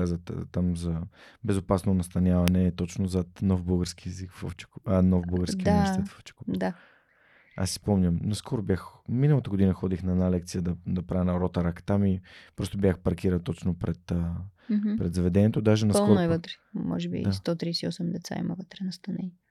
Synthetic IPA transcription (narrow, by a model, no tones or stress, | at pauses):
azət̪t̪amzɐbɛzopasnonɐst̪ɐnʲjavɐnɛt̪ɔt͡ʃnozɐt̪nɔvbəlˠɡəɾskijɛzikfo̰ft͡ʃɛ̥kːnɔvbəɡəɾskiasɛt̪foft͡ʃɛ̥kod̪a | a̰sːi̥spɔmnʲəmnɐskʰɔɾobjaxminəlˠɐt̪əɡod̪inəxɔd̪ixnɐɛd̪nalɛk̚t̪sijəd̪ɐd̪ɐpɾavʲənɐɾɔt̪ɐɾakt̪amipɾɔst̪obʲjaxpɐɾkiɾət̪ɔt͡ʃnopɾɛt̪ə | pɾɛd̪zɐvɛd̪ɛniɛt̪od̪aʒɛnɐskɔnoɛvət̪ɾɛ̥mɔ̰ʒɛbḭd̪ast̪ɔt̪ɾisiɔsɛmd̪ɛt̪sa̰ḭmə̰vət̪ɾɛnɐst̪ɐnɛj